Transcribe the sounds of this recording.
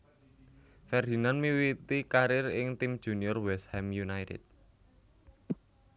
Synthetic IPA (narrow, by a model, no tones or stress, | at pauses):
fɛrd̪i̤nanmiwit̪ikaɾɪrɪŋt̪imd̥ʒ̥ṳniɔrwɛshɛmjunajtɪ̰d̪̚